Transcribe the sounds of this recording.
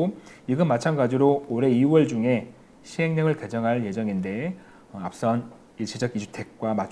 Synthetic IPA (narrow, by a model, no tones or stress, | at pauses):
iɡɯnmːat͡ɕʰanɡad͡ʑiɾooɾe̞iwʌɭd͡ʑuŋe̞ | ɕʰiɦe̞ŋɲʌŋɯɭked͡ʑʌŋɦaɭje̞d͡ʑʌŋinde̞ | ʌap̚s͈ʌn | iɕ͈id͡ʑʌɡid͡ʑutʰe̞k̚k͈wamat͡ɕ